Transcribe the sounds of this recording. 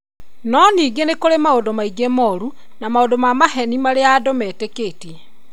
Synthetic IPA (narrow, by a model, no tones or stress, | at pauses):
nɔniːɡenekoɾemaodomaiɡemɔɾu | namaodomamaɦɛnimaɾeaːdomɛːteketɛ